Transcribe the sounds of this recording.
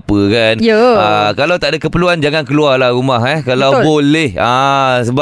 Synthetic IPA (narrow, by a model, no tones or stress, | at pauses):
pəkanjəakalawt̪aʔdakəpəluand͡ʒaŋankəluarlahrumaɦɛkalawbolɛhasəba